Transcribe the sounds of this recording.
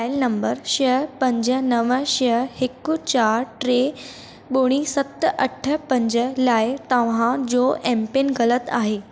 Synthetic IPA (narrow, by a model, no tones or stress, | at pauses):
ajlnəmbəɾɕpəɲd͡zənəʋəɕəhekːut͡ɕaɾʈɾe | ɓoɽ̃isət̪ːʔəʈʰːəpə̃ɲd͡zəlajt̪əʋ̤ãd͡zoʔempenɡələt̪a̰ɦe